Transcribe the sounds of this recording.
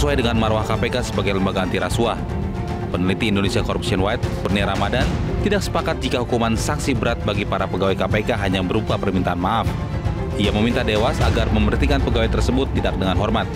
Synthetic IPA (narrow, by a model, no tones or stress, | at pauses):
suajdəŋanmaɾowahkapekasəbaɡajləmbaɡaːnt̪iɾasua | pənəlit̪iːndonesiakoɾup̚siɔnwajt̪̚pərniaɾamadant̪idak̚sə̥pakat̪̚d͡ʒikaɦukumansaksibəɾat̪̚baɡipaɾapəɡawekapekaɦaɲabəɾupapərmint̪aːnmaʔaf | iaməmint̪adewasaɡarməmərt̪ikanpəɡawet̪ərsəbʊt̪ːidak̚dəŋanɦɔrmat̪̚